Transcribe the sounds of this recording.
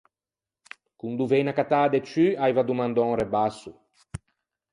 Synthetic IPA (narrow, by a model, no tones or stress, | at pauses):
kund̪uvejnakat̪ad̪et͡ʃyajvad̪umãnd̪ɔŋrebasu